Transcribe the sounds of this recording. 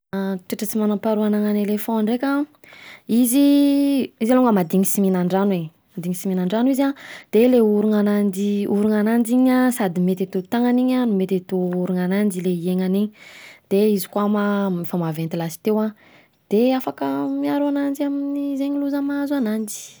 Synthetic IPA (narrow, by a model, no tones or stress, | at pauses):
ʈ͡ʂiʈ͡ʂət͡simanampaɾuanaŋanelefɔ̃ɳɖ͡ʐekʲa | izi | izaluŋɡəmad̪iŋisiminaɳɖ͡ʐanwe | mad̪iŋisiminaɳɖ͡ʐanuizad̪̥eleuɾuŋanand͡ʒiuɾuŋanand͡ʒiɲasad̪imet̪et̪ut̪aŋaniɲanumet̪et̪uuɾuŋanand͡ʒileieŋaniɲid̪̥eizi̥kwamafamavent̪ilasi̥t̪ewa | d̪̥eafakəmiaɾuanand͡ʒiaminizeɲiluzəmazanand͡ʒi̥